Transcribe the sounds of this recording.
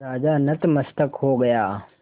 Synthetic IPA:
ɾaːd͡ʒaːnɐt̪mɐst̪əkɦoɡɐjaː

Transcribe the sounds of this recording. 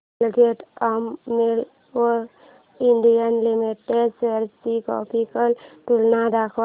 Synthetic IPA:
lɡeʈamːel | o | iɳɖijənlimiʈːeseɾtikɔ̰pʰikəlʈulnad̪akʰ

